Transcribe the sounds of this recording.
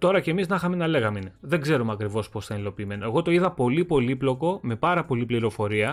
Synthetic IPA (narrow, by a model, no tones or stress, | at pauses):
t̪o̞ɾɐcemiznɐxɐmenɐle̞ɣɐmeineðe̞ŋɡze̞ɾumɐkɾivo̞spo̞sθɐelo̞piːme̞no̞eɣo̞t̪o̞iðɐpo̞lipo̞liplo̞ko̞me̞pɐɾɐpo̞lipliɾo̞fo̞ɾiɐ